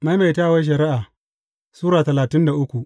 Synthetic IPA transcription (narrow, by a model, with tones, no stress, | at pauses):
ma˦jma˨jtaː˦˨wa˦ʃ̬ɐ˨ɾɪ˦ʔaː˨ | suː˦ɾaː˨tɐ˨laː˨tɪ˦nda˨ʔʊ˦kʷu˨ʔ